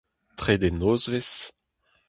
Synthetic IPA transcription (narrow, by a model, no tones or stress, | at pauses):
t̪χed̪enoːzves